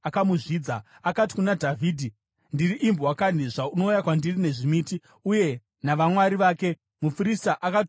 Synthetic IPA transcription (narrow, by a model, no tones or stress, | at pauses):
akamuʐiːd͡za | akati̥kunadʱavʱiːdʱi | ndiriʔimbowakaniʐauno̞ujakwandirine̞ʐimiːti | uje̞ | naʋamwaɾiʋaːke̞ | mufuɾistaʔakat